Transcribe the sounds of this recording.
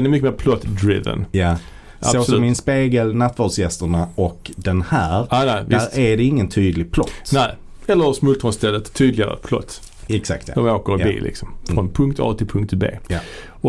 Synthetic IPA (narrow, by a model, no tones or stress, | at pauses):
ɛnɛɾmʏkːəmeːɾpʰlɔt̪d̪ɾɪ̰və̰nja | ʔsa̰osmɪnspeːɡəlnat̪ːvɑdsjɛst̪əɳaɔkd̪ɛnhæːɾnææɾæɖɛɪŋːənt̪ʰyːd̪lɪɡ̚pʰlɔt̪ːnæɪ | ɛlːəɾsmʉlt̪ʰɾɔnst̪ʰɛlːət̪ʰːyːd̪lɪɡaɾə̰pʰlɔ̰t̪ː | ɛksa̰k̚t̪d̥̪ɔmoːkəɾbḭːlʔɪ̰ksɔmfɾɔnpʰɵŋk̚t̪ʰɑ̰t̪ʰɪlpʰɵŋk̚t̪bḛːja | ɔ